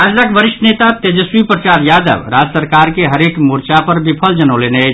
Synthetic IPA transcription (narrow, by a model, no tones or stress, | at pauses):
ad͡ʒlakbəɾiʃʈənet̪at̪ed͡ʒəswipɾət͡ʃaɾjad̪ə̰bɾad͡ʒəsəɾkaɾkeɦəɾekmuɾt͡ʃapəɾbipʰəld͡ʒənəlenet͡ʃ